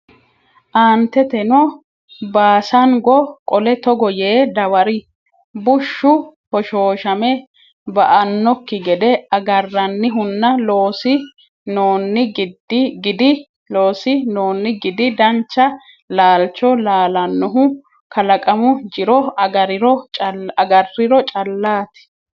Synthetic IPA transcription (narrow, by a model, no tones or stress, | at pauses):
ʔaːnt̪ːɛt̪ɛnɔ | baːsɐnɡɔkʼɔlɛt̪ɔɡɔjeːd̪ɐwɐɾɪ | bʊʃːʊhɔʃoːʃɐmɛ | bɐʔɐnːɔkːɪɡɛd̪ɛɐɡɐrːɐnːɪɦʊnːɐloːsɪ | noːnːɪɡɪd̪ɡɪd̪ɪ | loːsɪnoːnːɪɡɪd̪ɪd̪ɐnt͡ʃːɐ | laːlt͡ʃːɔlaːlɐnːɔɦʊ | kɐlɐkʼɐmʊd͡ʒɪɾɔɐɡɐɾɪɾɔɐɡɐrːɪɾɔt͡ʃʼɐlːaːt̪ɪ̥